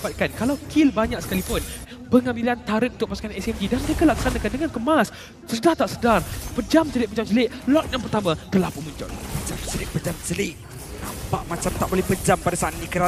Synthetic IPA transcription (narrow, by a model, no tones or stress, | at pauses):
pat̪̚kankalawkʰilbaɲak̚sə̥kalipʊn | pəŋãbilant̪aɾət̪̚unt̪ʊʔ̚pasu̥kanɛsɛmdidanməɾekalakəsanakandəŋankəmas | sədart̪aʔsədarpəd͡ʒamt͡ʃəlɪʔpəd͡ʒamsəlɪʔ̚lɔt̪̚jaŋpərt̪amãt̪əlahpumuɲt͡ʃɔ̰lmat͡ʃamt͡ʃəlɪʔ̚pəd͡ʒamt͡ʃəlɪʔ | na̰mpaʔmat͡ʃamt̪aʔbolɛhpəd͡ʒampadasaat̪nĩkəɾa